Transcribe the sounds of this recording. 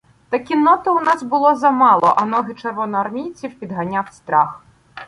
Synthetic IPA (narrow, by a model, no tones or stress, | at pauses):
t̪ɐkʲinɔt̪ɪʊnɑsbʊlˠɔzɐmɑlˠɔ̰ʔɐnɔɦɪt͡ʃerʋɔnɔɐrmʲijt͡sʲiwpʲid̪ɦɐnʲawst̪ɾɑx